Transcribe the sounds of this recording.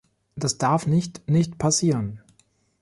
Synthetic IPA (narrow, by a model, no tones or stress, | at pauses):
d̥asd̥aɐfnɪçtnɪçtpʰasiːʁən